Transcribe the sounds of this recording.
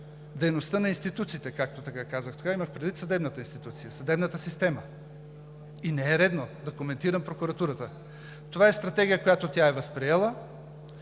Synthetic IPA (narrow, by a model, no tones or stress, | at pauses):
d̪ɛjnost̪ənɐinst̪it̪ut̪siːt̪ɛkak̚t̪ot̪ɐkakazəxt̪o̥kaiməxpɾɛd̪vit̪sɐd̪ɛbnət̪əinst̪it̪ut̪sijəsɐd̪ɛbnət̪əsist̪ɛmə | inɛɛɾɛd̪nod̪ɐkomɛnt̪iɾəmpɾokuɾɐt̪uɾət̪ə | t̪ovaɛst̪ɾɐt̪ɛɡʲijəkojat̪ot̪jaɛvəspɾiɛlˠə